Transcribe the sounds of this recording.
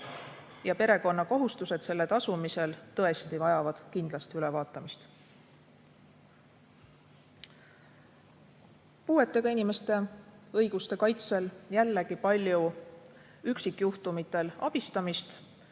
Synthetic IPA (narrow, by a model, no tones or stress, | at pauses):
jɑpe̞ɾe̞ko̞nːɑko̞ɦust̪use̞d̪̥se̞lːe̞t̪ɑsumise̞lt̪ɤ̞e̞st̪ivɑjɑvɑd̪̥kind̪̥lɑst̪iylɛvɑːt̪ːˑɑmist̪ | puːe̞t̪ːˑe̞ɡɑinime̞st̪e̞ɤjɡ̥ust̪e̞kɑjt̪se̞ljælːe̞ɡipɑlʲju | yksikːˑjuht̪umit̪ːˑe̞lɑ̰b̥ist̪ɑmist̪